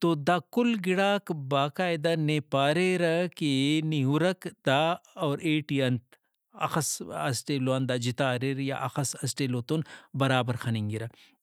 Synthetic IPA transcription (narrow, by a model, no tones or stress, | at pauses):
t̪od̪akʊlɡɪɽaːkbaːkaːjd̪ɐnepaːɾeɾɐkeniɦuɾɐkd̪aɔːɾʔeːʈiɐnt̪ | ɐ̰xɐsɐ̰sʈeːloɐnd̪aːd͡ʒit̪aːɾiɾja̰ʔɐ̰xɐsɐsʈeloːt̪onbɐɾaːbɐɾxʰɐniŋɡiɾɐ